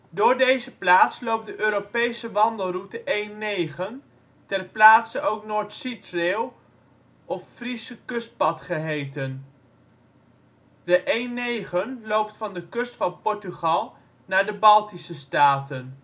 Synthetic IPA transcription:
dʊːɹdejzəplaːtslowp̚dəʔøːɾopejsəʋɑndəlˠrutəʔejnːejχən | tɛrplaːtsəowknoːɹtsitreːlˠ | ɔffrisəkɵst̚pɑtχəɦejtən | dəʔejnejχənlowptfɑndəkɵstfɑnpɔɹtyχɑlˠ | naːɹdəbɑlˠtisəstaːtən

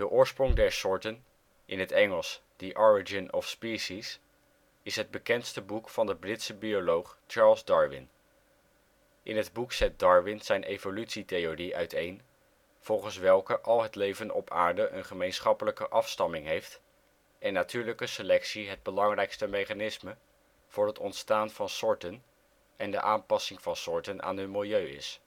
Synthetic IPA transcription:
dəʔʊːɹsprɔŋdɛɹsʊːɹtən | ʔɪnɦətɛŋəlˠsd̥əʔɔɹid͡ʒɪnɔfspisis | ɪsɦəd̚bəkɛntstəbukfɑndəbrɪtsəbiolowχt͡ʃɑːɹlˠzdɑɹʋɪ̰n | ʔɪ̰nɦədbuksɛt̚dɑɹʋɪnz̥ɛjnʔejvolytsitejoriʔœɥtejn | v̥ɔlˠχənsʋɛlˠkəʔɑlˠɦətlejvənɔ̰pʰa̰ːɹdəʔənχəmejnsχɑpələkəʔɑfstɑmɪŋɦejft | ɛnːatyːɹləkəsəlɛksiɦəd̚bəlɑŋrɛjkstəmejχanɪsmə | v̥ʊːɹɦətɔntstaːnv̥ɑnsʊɹtən | ʔɛndə̰ʔaːmpɑsɪŋvɑnsɔɹtənʔa̰ːnɦənmɪlˠjøɥɪ̰s

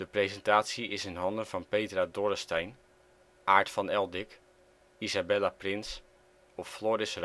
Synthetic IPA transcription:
d̥əprezɛntaːtsiɪsənɦɑndəv̥ɑnpejtradorəstɛjn | ʔaːɹtfɑnɛlˠdɪk | izabɛlaprɪns | ɔffloːɾɪsr

